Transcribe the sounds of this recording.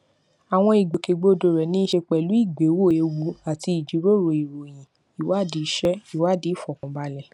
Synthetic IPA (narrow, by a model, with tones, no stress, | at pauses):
a˨w̃ɔ̃˧i˨ɡ͡be˨ke˨ɡ͡bo˧˦do˨ɾɛ˨nĩ˦i˦ʃe˧k͡pɛ˨lu˨˦i˦˨ɡ͡be˨˦wo˦˨e˧wu˨˦a˨ti˧i˨d͡ʒi˨˦ɾo˦˨ɾo˨i˨ɾo˨j̃ĩ˨ | i˨wa˦˨di˨˦ʃɛ˦i˨wa˦˨di˦fɔ˨kũ˨ba˧˦lɛ˨